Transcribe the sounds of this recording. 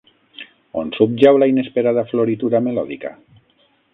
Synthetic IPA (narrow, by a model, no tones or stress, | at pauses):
onsup̚d͡ʒawlainespeɾaðafloɾit̪uɾamelɔðḭka̰